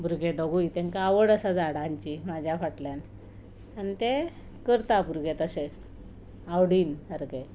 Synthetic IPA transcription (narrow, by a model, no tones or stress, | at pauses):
bʱuɾɡed̪əɡujt̪ẽŋkaːʋəɽəsad͡zaɽãɲt͡ɕimad͡ʑʱjafaʈljan | anit̪e | kəɾt̪abuɾɡet̪əse | awɽiːnəɾɡe